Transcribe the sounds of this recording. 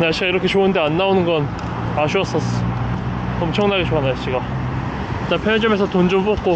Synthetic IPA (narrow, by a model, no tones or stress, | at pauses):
naɭɕ͈iɡaiɾʌkʰe̞t͡ɕouɯndeanːaonɯnɡʌn | aɕʰuʌs͈ʌs͈ | ʌmt͡ɕʰʌŋnaɡeɕʰoanaɭɕ͈iɡa | t͈anpʰjed͡ʑʌmesʰʌtond͡ʑumbop̚k͈o